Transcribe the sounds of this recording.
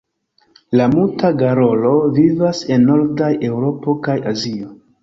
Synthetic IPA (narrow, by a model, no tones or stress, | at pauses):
lamultaɡaɾo̞lo̞vivase̞nːo̞ɾdajʔe̞wɾo̞po̞kajazio